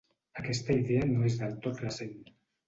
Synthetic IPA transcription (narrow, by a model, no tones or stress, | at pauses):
akɛst̪aiðeanoezðalˠt̪ot̪resen